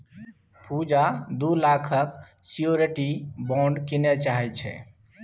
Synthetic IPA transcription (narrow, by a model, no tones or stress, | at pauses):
pʰud͡ʒad̪ulakʰək | sioɾeʈibɔ̃ɳɖkinɛt͡ʃaɦɛt͡ʃʰɛ̰